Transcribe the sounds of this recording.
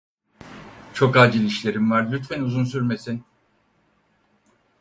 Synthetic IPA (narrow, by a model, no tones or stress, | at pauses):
t͡ʃʰo̞kaːd͡ʒilʲiʃlʲe̞ɾimvaɾlʲyt̪fænuzuns̬yɾme̞sin